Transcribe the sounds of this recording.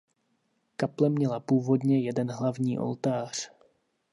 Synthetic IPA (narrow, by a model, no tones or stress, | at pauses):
kaplɛmɲɛlapuːvo̞dɲɛjɛdɛnɦlavɲiːʔo̞̰lt̪aːr̝̥